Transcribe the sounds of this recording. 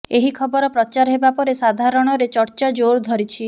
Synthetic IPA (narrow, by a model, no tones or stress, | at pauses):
eɦikʰɔbɔɾɔpɾɔt͡ʃaɾɦebapɔɾesad̪ʱaɾɔɽ̃ɔɾet͡ʃɔɾt͡ʃad͡ʒoɾd̪ʱɔɾit͡ʃʰi